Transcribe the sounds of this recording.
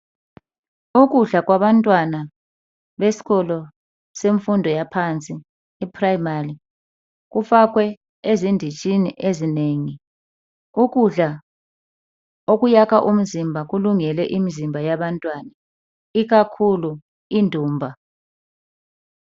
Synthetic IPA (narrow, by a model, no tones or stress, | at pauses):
uk̬uɮak̬waβantʼwana | βesi̥ɣɔlɔ | seɱfundʱɔjapʰant͡sʼiː | pʰrajmari | k̬ufak̬wɛ | ezindʱit͡ʃʼiniʔezineːŋi | ukuɮa | ok̬ujakʰaʔum̩zimbʱaɣ̬uluŋɛlɛʔimizimbʱajaɓantʼwana | iɣ̬akʰulu | indʱuːmbʱa